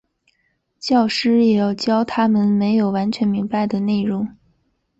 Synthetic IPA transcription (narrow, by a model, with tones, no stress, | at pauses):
t͡ɕjɑ˥˩ʊʂɻ̩˥jɛ˧˥jɑ˨˩ʊt͡ɕjɑ˥ʊt̪ʰa˥mə˨nme˧˥ɪjo˨˩ʊwa˧˥nt͡ɕʰɥɛ˧˥nmi˧˥ŋpa˧ɪd̪ə˩ne˥˩ɪɻʊ˧˥ŋ